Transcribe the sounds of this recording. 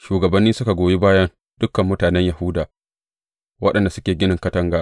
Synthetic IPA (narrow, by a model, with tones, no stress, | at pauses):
ʃuː˨ɡɐ˨bɐ˦nːiː˦sʊ˦ka˨ɡʷoː˨ji˦baː˦jɐ˦n | d̥ʊ˦kːɐ˨mːʊ˦taː˨nɛ˦ɲja˨hʊ˦daː˨ | wɐ˦ɗɐ˨nda˨sʊ˦kʲeː˨ɡʲɪ˦nɪ˨ŋkɐ˦tɐ˦ŋɡaː˨